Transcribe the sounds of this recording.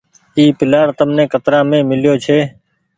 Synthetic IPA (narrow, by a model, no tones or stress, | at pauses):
iːpɪlaːɾt̪əmnẽːkət̪ɾãːmẽːmɪljoːt͡ʃʰeː